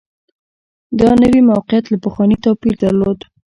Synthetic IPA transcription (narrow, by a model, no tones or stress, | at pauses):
d̪ɑnəwimawqɪjat̪lapəxwɑnit̪ɑpiɾd̪əɾlod̪